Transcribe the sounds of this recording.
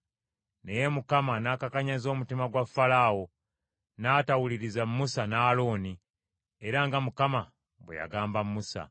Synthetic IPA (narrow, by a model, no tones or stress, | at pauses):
ne̞je̞mukamanaːkakaɲazo̞ːmutimaɡwafːalawo̞ | naːtawuliɾizamːusanaːlo̞ːni | eɾaŋɡamukama | βwḛja̰ɡaːmbamːusa̰